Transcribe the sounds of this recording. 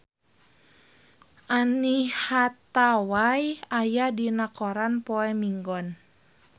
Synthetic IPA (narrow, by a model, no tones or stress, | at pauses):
ʔanihat̪awajajadinakɔɾanpɔɛmiŋɡɔn